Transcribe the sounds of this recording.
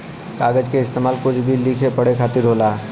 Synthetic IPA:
kaːɡəd͡ʒkeɪst̪eːmaːlkʊt͡ʃʰbʱiliːkʰepɐɽekʰaːt̪ɪɾɦoːlaː

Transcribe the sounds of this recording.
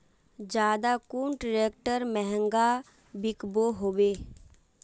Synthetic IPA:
d͡ʒaːd̪aːkuːɳʈɾeːkʈəɾmɛɦəŋɡaː | bɪkboːɦoːʋeː

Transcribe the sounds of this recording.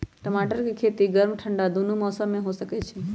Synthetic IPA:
ʈəmaːʈəɾkikʰeːt̪iɡəɾmʈʰəɳɖad̪onumɔːsəmːẽɦosəket͡ʃʰe

